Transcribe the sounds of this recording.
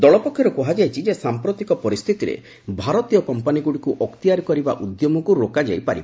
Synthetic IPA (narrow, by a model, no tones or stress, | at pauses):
d̪ɔɭɔpɔkʰːjɔɾɔkɔɦad͡ʒajt͡ʃʰid͡ʒesampɾot̪ikɔpɔɾist̪ʰit̪iɾḛ | bʱaɾɔt̪ijɔkɔmpaniɡuɽikuʔɔkt̪ijaɾkɔɾiba̰ʔud̪jɔmɔkuɾokad͡ʒa̰jpaɾḭb